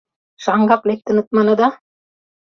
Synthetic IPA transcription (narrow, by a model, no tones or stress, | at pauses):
ʂaŋɡʱaplek̚t̪ənɨt̪̚mɐnɐd̪a